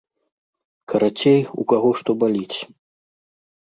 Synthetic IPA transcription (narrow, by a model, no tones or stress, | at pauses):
kɐɾat͡sʲejṵkaɣɔʂt̪ɔbalʲit͡sʲ